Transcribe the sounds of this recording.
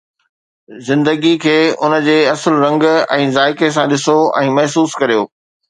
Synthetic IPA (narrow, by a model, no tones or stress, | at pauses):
zɪ̃nd̪əɡikʰeːʊnə̆d͡ʑeːɐsəlɾɐ̃ŋɡɛ̃ːzaːɪkes̬ãɗɪsoɛ̃ːmɐɦsuːskɐɾijoː